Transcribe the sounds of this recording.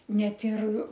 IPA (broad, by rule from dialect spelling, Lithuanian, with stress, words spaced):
ˈnʲɛt ɪr